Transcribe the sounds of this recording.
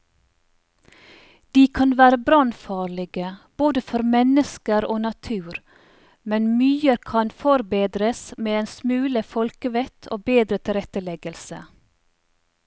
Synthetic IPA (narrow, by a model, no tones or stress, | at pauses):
d̪̥iːkʰɑnʋæːɾəbɾɑnfɑːɭɪɡəb̥oːd̪əfɔɾmɛnəskəɾoːnɑt̪ʰʉːɾ | mɛnmyːəɾkʰɑnfɔɾbeːd̪ɾəsmeːeːnsmʉːləfɔlkəʋɛt̪ʰo̰ːbeːd̪ɾət̪ʰɪɾɛt̪əlɛɡəlsə̰